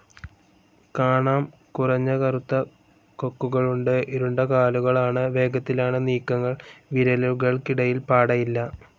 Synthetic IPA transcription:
kaːɳaːm | kurɐɲːɐkɐrut̪ːɐ | kokːuɣɐɭuɳɖɨʔiɾuɳɖɐkaːluɣɐɭaːɳɨʋe̞ːɡɐt̪ːilaːɳɨniːkːɐŋːɐɭʋiɾɐluɣɐɭkiɽɐjilpaːɽɐjilːɐ

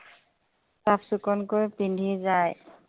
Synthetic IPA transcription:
sapʰsukɔnkojpindʱizaj

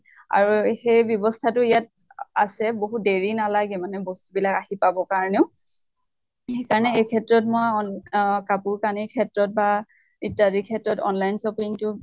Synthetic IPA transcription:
a̰ɹuxejbjɔbɔstʰatʊijat̚ | asɛboɦudeɹinalaɡɛmanɛbɔstubilakaɦipabɔkaɹɔneʊ | xejkaɹɔnɛejkʰɛtɹɔt̚mojɔnkapuɹkanikʰɛtɹɔt̚ba | itadikʰɛtɹɔtɔ̰nlajnsɔpiŋtʊ

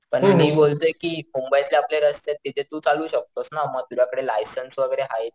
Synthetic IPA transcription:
pəɳmiːbolt̪əjkiːmumbəjit̪leapleɾəst̪et̪ːit̪ʰet̪uːt͡saluːɕək̚t̪osnaməɡ̚t̪ud͡ʑʱjakəɽelajsənsʋəɡəɾeɦajt̪

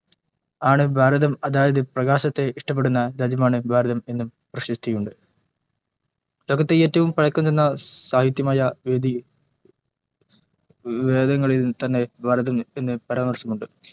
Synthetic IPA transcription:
aːɳɨbʱaːɾɐðɐmɐðaːjɐðɨprɐɣaːɕɐt̪ːe̞iʂʈɐp̬ːeɽunːɐɾɐd͡ʑɐmaːɳɨbʱaːɾɐðɐme̞nːum | prɐɕist̪ʰijuɳɖɨ | lo̞ːɣɐt̪ːeeːtːɐʋumpɐɻɐkːɐmt̪enːɐsaːhit̪̬jɐmaːjɐʋed̪i | ʋe̞ːd̪ɐŋːɐɭilnt̪ɐnːe̞bʱaːɾɐðɐme̞nːɨpɐɾaːmɐrsɐmuɳɖɨ

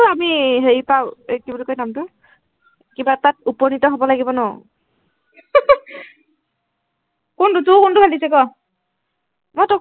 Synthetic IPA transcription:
amiɦeɹipaʊekiblkojnamtʊ | kibatat̚upɔnitɔɦobɔlaɡibɔnɔ̰ | kʊntʊtʊkʊntʊbʱalisɛkɔ | motɔ

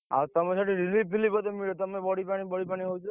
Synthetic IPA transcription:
a̰t̪əmesʰaʈeɾilip̚ːilibɔt̪emiɽet̪əmebɔɽipaɽ̃ibɔɽipaɽ̃iɦojt͡ʃʰe

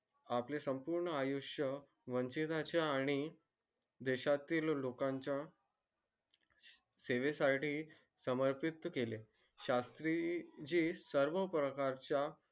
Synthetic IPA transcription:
aplesəmpuɾɳəajuɕjə | ʋəɲt͡ɕit̪at͡ɕjaːɽ̃i | d̪eɕat̪iːllokãɲt͡ɕja | seʋesaʈiː | səməɾpit̪kele | ɕast̪ɾid͡ʑiːsəɾʋəpɾəkaɾt͡ɕja

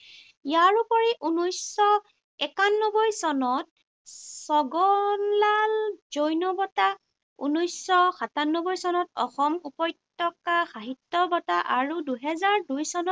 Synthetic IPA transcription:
ijaɹupɔɹiʔunɔjsɔ | ɛkanːɔbɔjsɔnɔt̚ | sɔɡɔnlalzojnɔbɔta | ṵnɔjsɔxatanːɔbɔjsɔnɔtɔ̰xɔmupɔjtːɔkaxaɦitːɔbɔtaʔaɹuduɦɛzaɹdujsɔnɔt

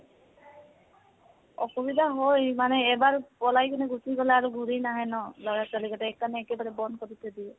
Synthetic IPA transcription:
ɔ̰xɔbidaɦojmanɛːbaɹpɔlajkɔnɛɡusiɡɔlɛaɹuɡʱuɹinaɦɛnɔlɔjasalikɔtɛːkːanɛːkɛbaɹɛbɔnkɔɾit̪ʰɛdiɛ

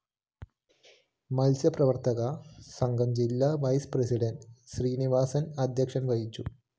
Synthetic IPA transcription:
mɐlsjɐprɐʋɐrt̪ɐɣɐsɐŋɡɐmd͡ʑilːɐʋɐjspresiɽɐnɖɕriːniʋaːsɐnɐd̪ʱjɐkʂɐnʋɐjit͡ɕːu

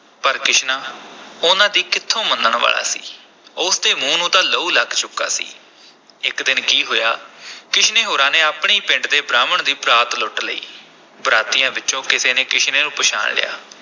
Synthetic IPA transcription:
pəɾkɪʃnãːʊnãːd̪iːkɪt̪ʰːõːmənd̪əɳʋa̰ːla̰ːsḭː | ʊsd̪eːmũːnũːt̪aːləuːləɡt͡ʃʊkːa̰ːsḭː | ɪkd̪ɪnkiːɦoːjaːkɪʃneːɦoːɾãːneːaːpɳeiːpɪ̃ɳɖd̪eːbɾaːməɳd̪iːpɾaːt̪lʊʈlə̰ḭː | bɾaːt̪ɪjãːʋɪt͡ʃõːkɪseːneːkɪʃneːnũːpəʃa̰ːɳlɪ̰ja̰ː

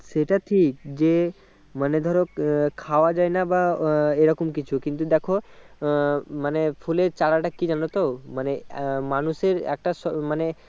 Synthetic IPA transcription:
seʈaʈʰik̚d͡ʒe | məned̪ʱɔɾokʰaoad͡ʒajnabaeɾɔkomkit͡ʃʰukint̪ud̪ɛkʰo | manepʰuleɾt͡ʃaɽaʈakid͡ʒanot̪owmanemanuseɾɛ̰k̚ʈasɔmane

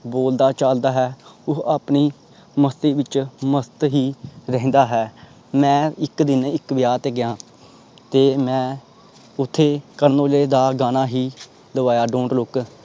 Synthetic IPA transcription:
boːld̪aːt͡ʃaːld̪aːɦɛːʊɦaːpniː | məst̪iːʋɪt͡ʃməst̪ɦiːɾɛɦnd̪aːɦɛː | mɛ̃ːɪkd̪ɪnɪkʋɪjaːt̪eːɡɪjãː | t̪eːmɛ̃ː | ʊt̪ʰːeːkəɾnoːleːd̪aːɡaːnaːɦiː | ləʋaːjaːɖõːɳɖlʊk

